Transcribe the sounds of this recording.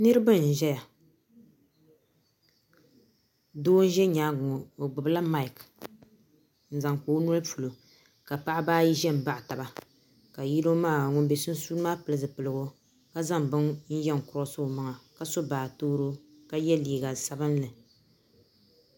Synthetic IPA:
nɨ˦ɾɨ˦bɨ˦n̩˨ʒɛ˦ja˨ | doː˦n̩˦ʒɛ˦ɲaː˦ɡʊ˨ŋo˨o˨ɡ͡bʊ˨bla˦ma˦ɪ˨k | n̩˨za˨ŋkoː˨˦nɔ˦lpu˨lo˨ | ka˨pa˦ʔa˦baː˦ji˦ʒɛ˦m̩˨ba˦ʔta˨ba˨ | ka˨ji˦lo˦maː˦˨ŋʊ˨n˦bɛ˨sʊ˦n̩˦suː˦lmaː˦pɨ˨lɨ˨zɨ˨pɨ˨lɨ˨ɡo˦ | ka˦za˦ŋbɨ˦ŋn̩˦jɛ˦ŋ˨kʊ˨ɾo˦sɨ˦˨ma˨ŋa˨ka˦so˦baː˨toː˦ɾo˦ | ka˦jɛ˦liː˨ɡa˨sa˦bɨ˦nlɨ˨

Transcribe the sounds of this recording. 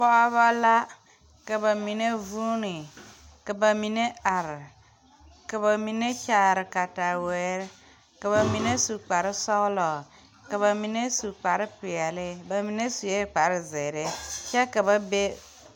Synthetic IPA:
bɔ˦a˦βa˦la˦ | ka˨ba˨mi˨ne˦vu˦ni˨ | ka˨ba˨mi˨ne˦a˨ɾ | ka˨ba˨mi˨ne˦t͡ʃa˨ɾɪ˨ka˨ta˨wɛ˨˦ɾ | ka˨βa˨mi˨ne˦su˨k͡pa˨ɾɪ˦sɔ˦lɔ˨ | ka˨βa˨mi˨ne˦su˨k͡pa˨ɾpi˨a˨le˦ba˨mi˨ne˦su˨je˦k͡pa˨ɾɪ˦ze˨ɾe˦t͡ʃa˦ka˨ba˦be˦

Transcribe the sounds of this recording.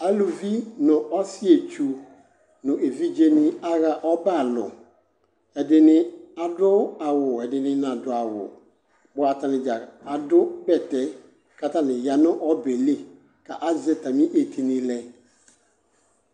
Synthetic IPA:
a˨lu˨vi˦nʊ̃˨ɔ˦sɪ˦e˨t͡ʃʰu˨ | nʊ̃˨e˨vi˦d͡ʒe˦mɪ̃˦a˦ɣa˨ʔɔ˦ba˦˨lʊ̰˨ | ɛ˨dɪ˨nɪ̃˦a˨dʊ˦a˨wʊ˨ɛ˨dɪ˨nɪ̃˦nã˨dʊ˨a˨wʊ̰˨ | bʊ˨˦a˨tʰa˨nɪ̃˨d͡ʒa˨a˨dʊ˦bɛ˨tɛ˦ | ka˦tã˨nɪ̃˨ja˨nʊ̃˦ʔɔ˦be˨le˦ | kʰa˨ʔa˦zɪ˦ta˨mĩ˦ʔe˨tʰi˨nɪ̃˨˦lɛ˦

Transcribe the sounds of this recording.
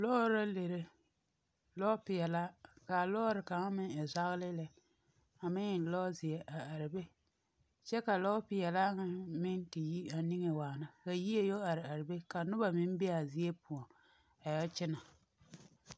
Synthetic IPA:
lɔ˦ɾa˦le˨ɾe˦ | lɔ˦pɪ˨jɛ˨la˦ka˨lɔː˦ɾɪ˨ka˨ŋa˦mɪ˦ŋɪ˨za˦ɣlɪ˦lɪ˦ | a˨mɪ˦ŋɪ˨lɔ˦zɪ˨e˨ʔa˨a˨ɾɪ˨be˦ | t͡ʃɛ˦ka˨lɔ˦pɪ˨jɛ˨la˦ŋa˨mɪ˦ŋkɪ˨ji˦a˨nɪ˦ŋe˨waː˨na˨ka˨ji˦e˦jo˦a˨ɾɪ˨a˨ɾɪ˨be˦ka˨nʊ˦ba˨mɪ˦m˦bɪ˦a˨zɪ˦e˦pu˨ɔ˨ | a˨jɛ˦t͡ʃɪ˦na˨

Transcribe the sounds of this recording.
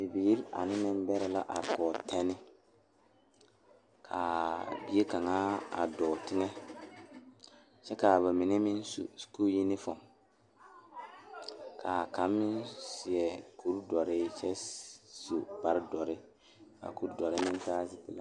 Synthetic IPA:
bi˨bi˨i˦ɾa̰˨nɪ˦mɪ˦m˦bɛ˦ɾɛ˨la˦ʔa̰˨ɾkɔː˨tʰɛ˦nɪ˦ | kʰa˨bi˦e˦ka˨ŋaː˦a̰˨dɔː˨tɪ˦ŋɛ˦ | t͡ʃɛ˦ka˨βa˨mɪ˨nɛ˦mɪ̃˦nsṵ˨sku˦ji˦nɪ˦fɔ˨m | kʰa˨ka˨˦mːɪ˦nsɪ˨ɛ˨ku˦ɾdɔ˨ɾɪ˦t͡ʃɛ˦so˨ba˨ɾdɔ˨ɾɪ˦ | ka̰˨ku˦ɾdɔ˨ɾɪ˦mɪ̃˦n˦saː˦zɪ˦ti˨la˦

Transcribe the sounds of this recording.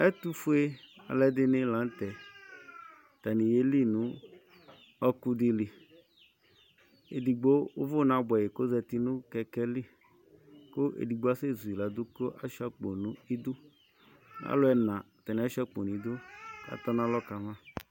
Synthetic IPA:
ɛ˦t̪u˦fu˦e˦a̰˨lɛ˦dɪ˦nɪ˦lã˨n˦t̪ɛ˨ | t̪a˨ni˨je˦li˦nũ˨˦ | ɔ˦ku˦dɪ˦li˨ | ḛ˨di˨ɡ͡bo˦ʊ˦vʊ˦nã˨bɛ˨je˨ko˦zɛ˧t̪i˦nʊ̃˦kɛ˧kɛ˦li˦˨ | ko˦ʔḛ˨di˨ɡ͡bo˨˦a˦se˦˨zu˨i˨la˨d̪ʊ˦ko˦ʔa̰˦ʃa˨k͡po˨nũ˨i˦d̪ʊ˦ | a̰˦lʊ˦ɛ˨nã˨ | t̪a˨nĩ˨a˦ʃa˦k͡po˨nũ˨i˨d̪ʊ˦a̰˨t̪ɔ˦nã˦lɔ˦ka˨mã˦˨

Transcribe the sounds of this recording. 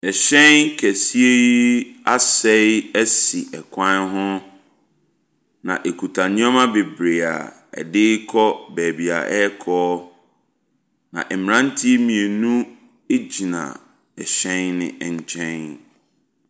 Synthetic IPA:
ɛ˨ɕɛ̃˦nkʰɛ˨si˦e˦i˦a˦sɛ˦æ˦si˨ɛ˨kʷʰã˦nɦʊ̃˦ | nã̰˨ʔe˨kʰu˨tʰa˨nɪ̃˦a˦mã˦be˨bɾe˨a̰˨ | ɛ̰˨dɪ˦kʰɔ˦bɛː˨bi˨a̰˨ʔɛ˦kʰɔː˦ | nã̰˨ʔɛ˨mɪ̃˨ɾã˦n˦tʰi˦e˦mĩ˨e˨nũ˦ | e˦d͡ʑi˨nã̰˨ | ɛ˨ɕɛ̃˦nːɪ̰̃˦ʔɛ˨ɲ˨t͡ɕʰɛ̃˦n

